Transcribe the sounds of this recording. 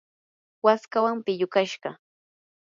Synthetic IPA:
waskawampɪʎʊkaʃɢɑ

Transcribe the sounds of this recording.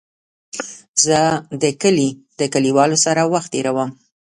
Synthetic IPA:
zəd̪əkəlid̪əkəliwɑlosaɾawaxt̪̚ːeɾawəm

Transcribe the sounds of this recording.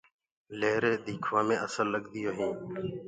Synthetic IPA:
leːɾeːd̪iːkʰʋãːmẽːʔəsəlːəɡd̪ɪjoːɦĩː

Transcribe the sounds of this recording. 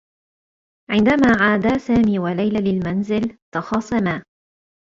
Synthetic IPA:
ʕɪnd̪amaːʕaːd̪aːsaːmiːwalajlalɪlmanzɪlt̪ɑxɑːsˤɑmaː

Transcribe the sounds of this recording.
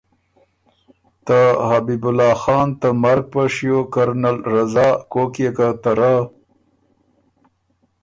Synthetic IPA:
t̪ahabibʊlɑːxɑːnt̪əmaɾɡ̚paʂjokaɾnalɾazɑːkokijekat̪aɾa

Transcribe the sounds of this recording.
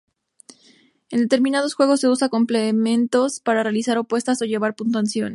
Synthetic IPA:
e̞nd̪e̞t̪e̞ɾmĩnað̞o̞sxweɣ̞o̞sːe̞usako̞mplemẽ̞nt̪o̞spaɾarealisaɾo̞pwe̞st̪aso̞ʝe̞β̞aɾpunt̪oansjo̞n

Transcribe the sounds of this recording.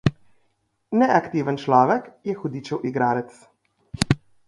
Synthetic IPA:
nɛʔakt̪iːʋənt͡ʃlɔːʋɛkjɛxɔd̪iːt͡ʃɛwʔiɡɾaːɾɛt̪s

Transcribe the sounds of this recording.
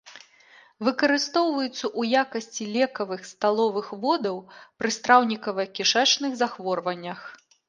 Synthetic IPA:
vɨkɐɾɨst̪ɔwvɐjut̪sːɐʔujakɐsʲt͡sʲilʲɛkɐvɨxst̪alˠɔvɨxvɔd̪ɐwpɾɨst̪ɾawnʲikɐvɐkʲiʂɛt͡ʂnɨɣzaxvɔrvɐnʲːɐx

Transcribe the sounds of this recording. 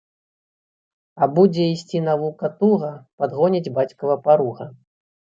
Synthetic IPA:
ɐbud͡zʲɛisʲt͡sʲinavukɐt̪uɣɐpad̪ɣɔnʲid͡zʲbat͡sʲkɐvɐpaɾuɣɐ

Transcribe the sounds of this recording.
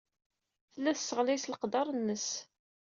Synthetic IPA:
θəlːæθsːəʁlisləqd̪ɑɾˤənːəs

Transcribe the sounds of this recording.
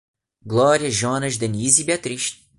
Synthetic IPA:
ɡlɔɾiɐʒɔnɐʃd̪enizibiat̪ɾiʃt̪

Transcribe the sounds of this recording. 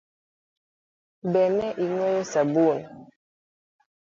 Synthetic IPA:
bɛnɛʔiŋwɛjɔsabun

